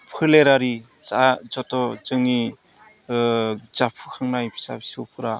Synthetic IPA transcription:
pʰɯleɾaɾi | t͡ʃazɔtɔzɯŋi | zapʰɯkʰaŋnajpʰi̥sa̰bisupʰɯɾa

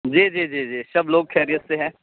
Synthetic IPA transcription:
d͡ʒiːd͡ʒiːd͡ʒiːd͡ʒiːsɐbloːɡ̚kʰɛːɾijətseɦɛ̃ː

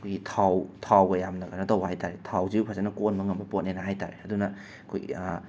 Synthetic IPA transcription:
kʰojɡitʰawtʰawɡɐjamnɐkanɐtɐwbhajtaɾetʰawziupʰazanɐkonmɐŋɐmbɐpot̚nenɐɦajta̰ɾeɐdunɐ | kʰo̰j

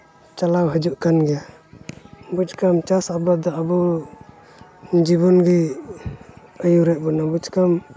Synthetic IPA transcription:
t͡ʃalawɦəd͡ʒuʔkanɡɛja | bud͡ʒkamt͡ʃasabad̪ɔabɔ | d͡ʒibɔnɡi | əjuɾɛʔ̚bɔnabud͡ʒkam

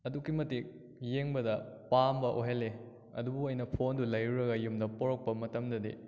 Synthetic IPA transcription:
ɐdukːimɐtik̚ | jeŋbɐdɐpambɐʔoɦelːe | ɐ̰dubuɐjnɐpʰondulɐjɾuɾɐɡɐjumdɐpoɾok̚pɐmɐtɐmdɐdḭ

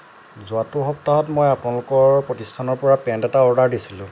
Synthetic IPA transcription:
zʊatʊɦɔp̚taɦɔtmojapʊnalʊkɔɹpɹɔtistʰanɔɹpɔɹapɛndɛtaɔɹdaɹdisilʊ̃

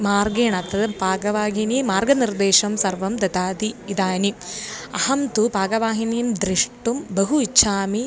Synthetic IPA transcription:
maːɾɡeːɳɐt̪ːɐd̪ɐpaːɡɐʋaːɦinimaːɾɡɐniɾd̪eːʃɐmsɐɾʋɐmd̪ɐt̪aːd̪iːd̪aːniɐhɐmt̪upaːɡɐʋaːɦinijmd̪ɾiʂʈumbɐɦuiɕʰaːmi

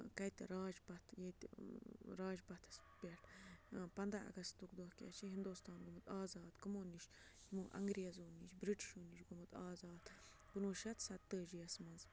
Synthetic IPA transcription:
kɐjt̪ʲɾɑːd͡ʒbɐt̪ʰjet̪ʲ | ɾɑːd͡ʒbɐt̪ʰɐ̥spʲeʈpɐnd̪ɐɐ̰ɡɐst̪t̪ukd̪oːhkʲa̰ːt͡ʃʰiɦind̪oːst̪ɑːnɡumɨt̪ɑːzɑːd̪kɨmoːniʃ | imoʔɐ̰ŋɡɾijɐzoːniʃbɾiʈi̥ʃuːniʃɡumɨt̪ɑːzɑːd̪ | pɨnuːʃɐt̪sɐt̪ːəːʒijɐsmɐnz

